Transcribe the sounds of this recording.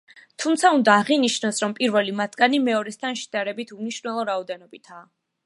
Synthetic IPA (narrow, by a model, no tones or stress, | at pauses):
t̪ʰumt̪sʰaund̪aːʁiniʃnɔsɾɔmpʼiɾvɛlimat̪ʰɡanimɛɔɾɛst̪ʰanʃi̥d̪aɾɛbit̪ʰumniʃɾnɛlˠɔɾaɔd̪ɛnɔbit̪ʰaː